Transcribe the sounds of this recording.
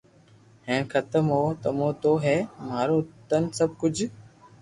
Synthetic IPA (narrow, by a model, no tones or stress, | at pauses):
ɦɛ̃ːkʰət̪əmɦoːt̪əmoːt̪oːɦɛːmaːɾoːt̪ənsəb̚ʱkʊd͡ʒʱ